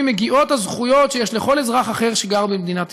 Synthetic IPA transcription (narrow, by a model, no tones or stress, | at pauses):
meɡiʔo̞t̪hazχujo̞tʃejeʃleχo̞lezʁaχaχe̞ʁʃeɡaʁbemd̪inat